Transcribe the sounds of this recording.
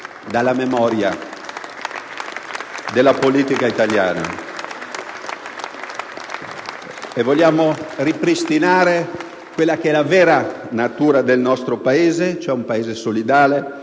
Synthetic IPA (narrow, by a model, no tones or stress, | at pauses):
d̪alːamemɔɾja̰ | d̪elːapoliːt̪ikait̪alja̰ːna̰ | evoljaːmoripɾist̪inaːɾe | kwelːak̟eɛlavɛːɾanat̪uːɾad̪elnɔst̪ɾopaeːzet͡ʃoɛumpaeːzesolid̪aːle